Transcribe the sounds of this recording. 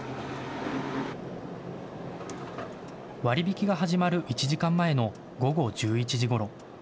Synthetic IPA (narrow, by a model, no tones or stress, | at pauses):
βaɾʲibʲikʲiɡaɦaʑimaɾɯ̟ʔit͡ɕiʑikãmːae̞no̞ | ɡo̞ɡo̞d͡ʑɨːit͡ɕiʑiɡo̞ɾo̞